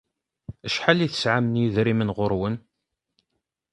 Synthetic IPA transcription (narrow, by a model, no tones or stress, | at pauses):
əʃħaliθə̥sʕamənjiðɾimənʁʊɾwən